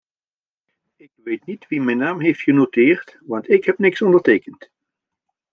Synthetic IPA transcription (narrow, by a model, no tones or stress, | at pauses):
ɪkʋejtnitʋimɛjnaːmɦejftχənotɪːɹtʋɑntɪkɦɛpnɪksɔndəɹteːkənt